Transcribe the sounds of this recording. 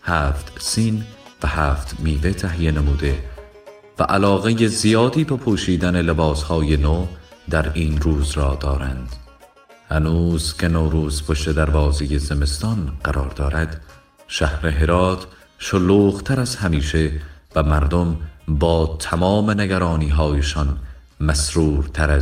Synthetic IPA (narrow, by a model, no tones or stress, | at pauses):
hæːft̪siːnvæhæːft̪miːve̞t̪ʰæɦijenemuːd̪e̞ | væʔælɒːɣe̞jezijɒːd̪iːbepʰoːʃiːd̪æne̞lebɒːshɒːje̞noːd̪æɾiːnruːzɾɒːd̪ɒːɾænd̪̥ | hænuːzcʰe̞noːɾuːzpʰoʃt̪e̞d̪æɾvɒːze̞jeze̞me̞st̪ɒnɢæɾɒːɾd̪ɒːɾæd̪̥ | ʃæhɾeɦe̞ɾɒːt̪ʰ | ʃoluːɣt̪ʰæɾæzhæmiːʃe̞væmæɾd̪ombɒːt̪ʰæmɒːme̞neɡæɾɒːniːɦɒːjeʃɒn | mæsɾuːɾt̪ʰæɾæz